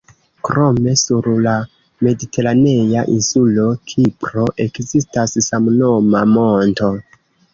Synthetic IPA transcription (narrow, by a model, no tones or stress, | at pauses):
kɾo̞me̞suɾla | me̞ditʰe̞ɾane̞jaʔinsulo̞kʰipɾo̞ʔe̞kzistasːamno̞mamo̞nto̞